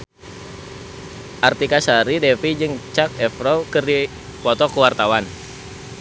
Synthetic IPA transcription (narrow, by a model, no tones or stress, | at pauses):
ʔart̪ikasaɾidɛfid͡ʒɨŋt͡ʃak̚ɛfɾɔkərdi | pɔt̪ɔkəwart̪awan